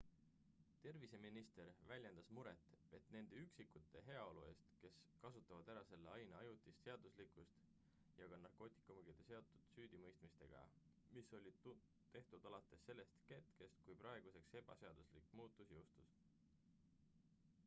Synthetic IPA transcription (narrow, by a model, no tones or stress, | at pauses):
t̪e̞rvise̞minist̪e̞ɾvælʲje̞nd̪̥ɑsmuɾe̞t̪ːˑe̞t̪ne̞nd̪̥eyksikːut̪ːˑe̞ɦe̞ɑo̞lue̞ːst̪ke̞skɑsut̪ːˑɑvɑd̪̥æɾɑse̞lːeɑjnɑɑjut̪ˑist̪se̞ɑd̪̥uslikust̪ | jɑɡ̥ɑnɑrko̞ːt̪ˑi̥kːɑmuɡ̥id̪̥ese̞o̞t̪ːˑud̪̥syːd̪̥imɤjst̪mist̪e̞̰ɡ̥ɑ̰ | miso̞lʲiu | t̪e̞ht̪ud̪̥ɑlɑt̪ːˑesːe̞lːest̪ke̞t̪ke̞st̪̚kujprɑe̞ɡ̥use̞kse̞b̥ɑ̰se̞ɑd̪̥uslikˑːmuːt̪ːˑusjowst̪us